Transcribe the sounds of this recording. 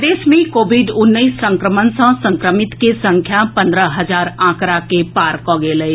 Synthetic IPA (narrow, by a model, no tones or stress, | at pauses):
d̪eːsmẽkoːbʱiɖʊnːəisːə̃ŋkɾəmənsə̃sə̃ŋkɾəmɪt̪kesə̃ŋkʰjapə̃nd̪ɾəɦəd͡ʒaːɾãkɾakepaːɾkɔɡeləi